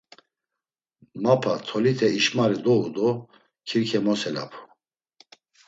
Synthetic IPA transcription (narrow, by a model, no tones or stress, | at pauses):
mapʰat̪ʰɔlit̪ʰɛiʃmaɾid̪ɔud̪ɔ | kʰiɾkʰɛmɔsɛla̰pʰu̥